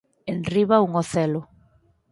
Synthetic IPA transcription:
enriβauŋɔθɛlo

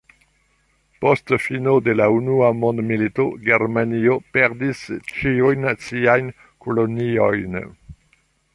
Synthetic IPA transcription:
postfinodelaunuamɔ̃nd̪militoɡeɾmaniopɛʁdist͡ʃiujnat͡siajn | kʰolonio̰jn

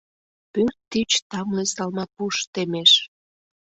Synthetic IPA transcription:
pyrt̪ːit͡ɕt̪ɑmlesɑlmɑpuʃt̪emeʃ

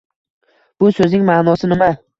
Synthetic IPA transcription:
b̥ʊsɵznɪŋmaːnɒsɪnɪma

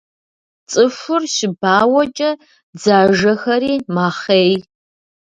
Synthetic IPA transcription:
t͡sʼɨfʊrɕɪbaːwɐt͡ʃʼɐ | d͡zaːʒɐxɐɾiːmaːχeːj

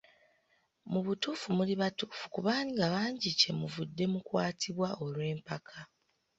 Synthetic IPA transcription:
muβutuːfumuliβatuːfu̥kuβaːniŋɡaβaːɲɟice̞muvudːe̞mukwaːtʰiβwao̞lwe̞ːmpakʰa

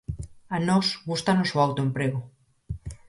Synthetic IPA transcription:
anosɣust̪anosoawt̪oempɾeɣ̞o

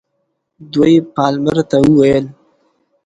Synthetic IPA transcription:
d̪wojpɑlmaɾt̪awəwajəl

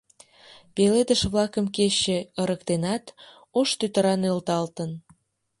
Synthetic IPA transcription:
peled̪əʃβlɑkəmkeɕeəɾəkt̪enɑt̪ | oʃt̪yt̪əɾɑnølt̪ɑlt̪ən

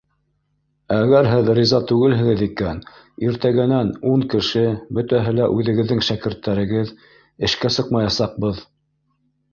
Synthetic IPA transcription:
æɡæɾɦɘðrʲizɑt̪ʉɡɘlɦɘ̆ɡɘðikæn | iɾt̪æɡɘ̆nænuɴkɘ̆ʃɘbɵ̆t̪æɦɘlæʔʉðɘ̆ɡɘ̆ðːɘŋʃækɘ̆ɾt̪ːæɾɘ̆ɡɘð | ɘ̆ʃkæsɤqmɑjɑsɑq̚bɤð

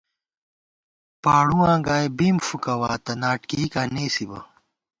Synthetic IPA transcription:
paːɽũwãːɡaːjbiːmfukɐwaːt̪ɐnaːʈkikaːneːsibɐ̰

